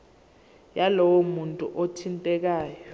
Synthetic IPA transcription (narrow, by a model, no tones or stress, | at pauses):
jalɔwɔmuntʼṵʔotʰintʼɛk̬aːjɔ